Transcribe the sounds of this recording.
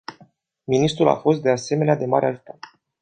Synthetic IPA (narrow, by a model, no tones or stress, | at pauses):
minist̪ɾula̰fo̞st̪̚d̪e̞ase̞me̞nead̪e̞maɾeaʒut̪ot